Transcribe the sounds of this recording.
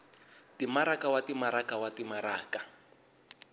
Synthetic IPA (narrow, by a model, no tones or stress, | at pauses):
timaɾakawatimaɾakawatimaɾaːka